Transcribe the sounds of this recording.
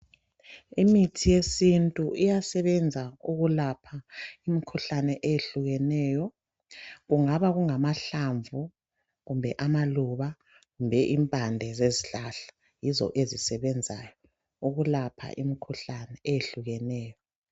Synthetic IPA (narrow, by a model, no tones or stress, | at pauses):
imitʰijesintʼuʔijasɛβɛnd͡zʱauɣulapʰaimikʰuɬanɛʔejeɬuɣɛnɛːjɔ | ɣuŋaβaɣuŋamaɬaɱvu | ɣumbʱɛʔamaluβa | ɣumbʱɛʔimpʼandʱɛzeziɬaɬḁ | jizɔ̰ʔezisɛβɛnd͡zʱajɔ | uɣulapʰa̰ʔimikʰuɬanɛːjeɬuɣɛnɛːjɔ